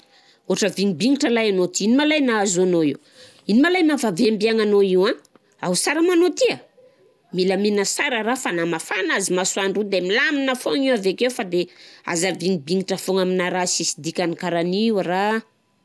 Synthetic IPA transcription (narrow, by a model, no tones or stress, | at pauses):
oaʈ͡ʂəviŋibiŋiʈ͡ʂəlajanot̪iinimalajnaazoanoiw | inimalajmavaveambiaŋanoiwã | awusaɾəmanot̪ia | milaminəsaɾəɾafanamafanazimasuaɳɖ͡ʐud̪emilaminəfoŋiwavekewfad̪ea̰zaviŋibiŋiʈ͡ʂəfoŋaminaɾasisid̪ikʲanikaɾaniwra